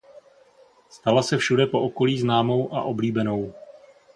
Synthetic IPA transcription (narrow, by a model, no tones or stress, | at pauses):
st̪alasɛfʃudɛpo̞ʔoko̞liːznaːmo̞wʔa̰ʔobliːbɛno̞w